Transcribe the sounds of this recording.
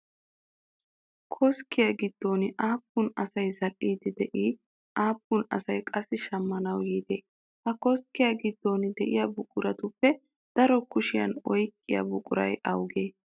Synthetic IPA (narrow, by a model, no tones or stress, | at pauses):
kʰɔskːɪjaɡɪd̪̥ːo̞ːnɪʔaːpːʊnɐsɐjzɐʔiːd̪ɪd̪ɛʔiː | ʔaːpːʊnɐ̰sɐjkʼɐsːɪʃɐmːɐnɐwjiːd̪eː | hɐkɔskːɪjaɡɪd̪ːo̞ːnɪd̪ɛʔɪjabʊkʼʊɾɐt̪ʊpːɛ | d̪̥ɐɾɔkʊʃɪjɐ̰nɔjkʼːɪjɐ̰bʊkʼʊɾɐ̰jʔɐwɡeː